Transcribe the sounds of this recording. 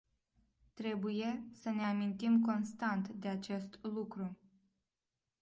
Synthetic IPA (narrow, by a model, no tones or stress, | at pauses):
t̪ɾe̞buje̞səne̞amint̪imko̞nst̪ant̪d̪eat͡ʃe̞st̪lukɾu